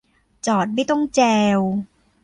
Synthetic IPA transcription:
t͡ɕɔː˨˩t̪̚ma˥˩jt̪ɔ˥˩ŋt͡ɕɛː˧w

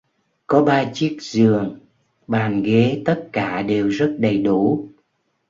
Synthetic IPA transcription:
kɔ˨˦ɓaː˧t͡ɕi˦˥ək̚zɨ˨˩əŋ | ɓaː˨˩nɣe˨˦t̪ə˦˥t̚kaː˧˩ɗe˨˩wzə˦˥t̚ɗə˨˩jɗu˧˩˦

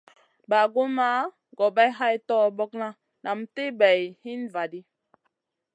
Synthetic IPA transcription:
ba˨ɡo˦ma˦ | ɡɔ˨ba˦jɦa˦jtɔ˦˨bɔ˦k̚na˦ | na˨mte˦bɛ˨jhi˦nva˨di˦

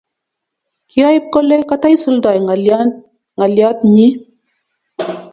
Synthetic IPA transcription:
ki˦a˦ji˦p̚ko˦le˦ka˦t̪a˦jsu˦ld̪a˨j | ŋa˨lja˦t̪ɲi˦

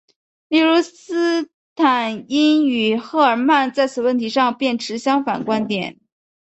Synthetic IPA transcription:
li˥˩ɻu˧˥sɹ̩˥ | t̪ʰa˨˩ni˥ny˨˩xɤ˥˩ə˞˨˩ma˥˧nt͡sa˥˩ɪt͡sʰɹ̩˨˩wə˥˩nt̪ʰi˧˥ʂɑ˥˧ŋpjɛ˥˩nʈ͡ʂʰɻ̩˧˥ɕjɑ˥ŋfa˨˩nkwa˥nt̪jɛ̰˨˩˦n

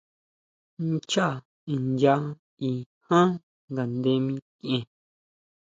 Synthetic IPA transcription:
n˦t͡ʃa˦˨ | i˨nd͡ʒa˦ | i˨ | hã˦ | ŋɡa˨nd̪e˧˦mĩ˧kẽ˧˨

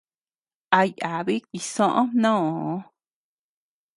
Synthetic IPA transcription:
a˧ja˨βi˦ki˨sõ˦ʔõ˦nõ˦õ˨˦

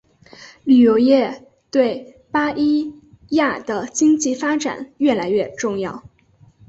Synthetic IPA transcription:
ly˨˩jo˧˥ʊjɛ˥˧ | t̪we˥˩ɪ | pa˥ʔi˥ | ja˥˩d̪ə˩t͡ɕi˥ŋt͡ɕi˥˩fa˥ʈ͡ʂa̰˨˩˦nɥɛ˥˩la˧˥ɪɥɛ˥˧ʈ͡ʂʊ˥˧ŋjɑ˥˩ʊ

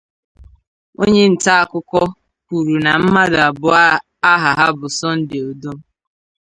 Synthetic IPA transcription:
o̰˦ɲe˦n̩˨ta˦a˦˨kʊ˦kɔ˦ | kʷu˨ɾu˨na˨m̩˦ma˦da˨bʊ˦a˦ | a˦ɦa˨ɦa˦bʊ˨sɔ˦n̩˦dɪ˨o˨do˦

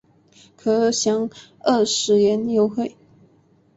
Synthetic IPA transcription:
kʰɤ˧˥ɕjɑ˧˥ŋ | ə˥˩ʂɻ̩˧˥jɛ˧˥njo˧˥ʊxwe˥˩ɪ

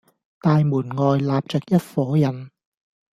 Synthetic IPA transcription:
t̪aː˨˧jmuː˨˩nŋɔː˨jlaː˨p̚t͡sɛː˨˩k̚jɐ˥t̚fɔː˨˥jɐ˨˩n

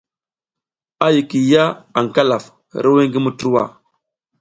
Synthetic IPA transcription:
a˦ji˨ki˨ja˦a˨ŋ˨ka˦la˨f | ɾə˦we˦ŋɡi˦mu˦tu˦ɾu˦wa̰˦˨

